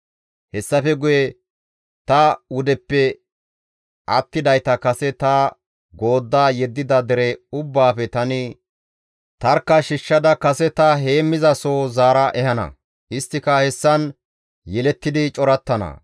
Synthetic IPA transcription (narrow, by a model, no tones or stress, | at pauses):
hɛsːɐfɛɡʊjɛ | t̪ɐʊd̪ɛpːɛ | ʔɐt̪ːɪd̪ɐjt̪ɐkɐsɛt̪ɐ | ɡo̞ːd̪ːaːjɛd̪ːɪd̪ɐd̪ɛɾɛʊbːaːfɛt̪ɐnɪ | t̪ɐɾkːɐʃɪʃːɐd̪ɐkɐsɛt̪ɐɦe̞ːmːɪzɐsoːzaːɾɐʔɛhɐnɐ̰ | ʔɪst̪ːɪkɐhɛsːɐn | jɛlɛt̪ːɪd̪ɪt͡ʃʼɔɾɐt̪ːɐnɐ̰